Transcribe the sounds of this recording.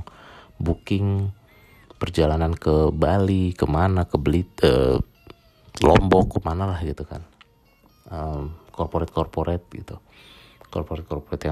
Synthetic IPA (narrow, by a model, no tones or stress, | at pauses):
bukɪŋ | pərd͡ʒalanankəbalikəmanakəbəlit̪̚ə̰ | lɔ̰mbɔkːəmanalahɡit̪uka̰n | əmkɔrpoɾɛt̪̚kɔrpoɾʔɛt̪̚ɡḭt̪u | kɔrpoɾɛt̪̚kɔrpoɾɛt̪ja